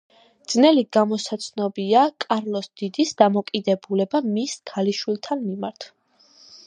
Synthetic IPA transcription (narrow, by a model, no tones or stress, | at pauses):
d̪z̥nɛliɡamɔsat̪sʰnɔbiakʼaɾlˠɔsd̪̥id̪isd̪amɔkʼid̪ɛbulɛbamiskʰaliʃwilˠt̪ʰanmimaɾt̪ʰ